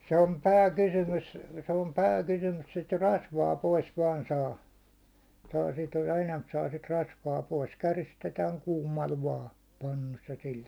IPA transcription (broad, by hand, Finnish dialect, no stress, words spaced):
se om pæːkysymys se om pæːkysymys sit rɑsʋɑː pois ʋɑːn sɑː sɑː sit enæmp sɑː sit rɑsʋɑː pois kæristetæːŋ kuːmˑɑl ʋɑː pɑnːus jɑ sil